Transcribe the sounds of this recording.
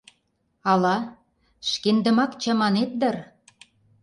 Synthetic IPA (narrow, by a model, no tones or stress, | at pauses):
ɑlɑ | ʃkend̪ə̆mɑkt͡ɕɑmɑnet̪̚d̪ɤr